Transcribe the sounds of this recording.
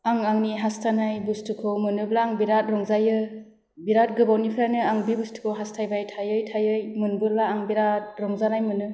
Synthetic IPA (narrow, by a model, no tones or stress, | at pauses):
aŋaŋniɦastʰanajbustʰɯkʰɯwmɯnɯblaːŋbiɾat̚ɾɔŋzajɯ | biɾat̚ɡɯbawnipʰɾanɯaŋbibustʰɯ̥kʰɯwɦastʰajbajtʰajɯjtʰajɯjmɯnbɯllaːŋbiɾat̚ɾɔŋzanajmɯnɯ